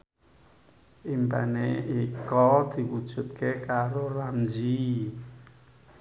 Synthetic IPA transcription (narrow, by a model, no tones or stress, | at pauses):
ʔimpa̰neikɔd̪̥i̤wud̥ʒ̥ṳt̪̚kekaɾoramd͡ʒi